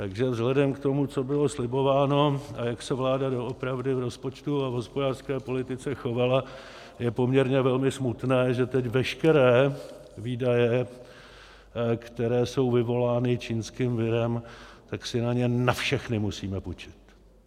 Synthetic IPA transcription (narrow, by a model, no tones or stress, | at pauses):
t̪aɡʒɛvzɦlɛdɛmkt̪o̞mut͡so̞bɪlo̞slɪbo̞vaːno̞ʔajaksɛvlaːdado̞ʔopɾavdɪvɾo̞spo̞t͡ʃt̪uavɦo̞spodaːr̥skɛːpo̞lɪt̪ɪt͡sɛxo̞vala | jɛpo̞mɲɛɾɲɛvɛlmɪsmut̪nɛːʒɛt̪ɛcvɛʃkɛɾɛː | viːdajɛ | kt̪ɛɾɛːso̞wvɪvo̞laːnɪt͡ʃiːnskɪmvɪɾɛmt̪aksɪnaɲɛnafʃɛxnɪmusiːmɛput͡ʃɪ̥t̪